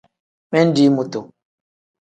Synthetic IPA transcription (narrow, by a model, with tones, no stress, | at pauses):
mɛ˦n̩˦di˨˦mu˨to˨